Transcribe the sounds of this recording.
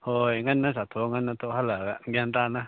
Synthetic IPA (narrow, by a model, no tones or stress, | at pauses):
hoiŋanːãs̬at̪ʰoŋɡanãt̪oʔɦalaɡaŋɡʲand̪anã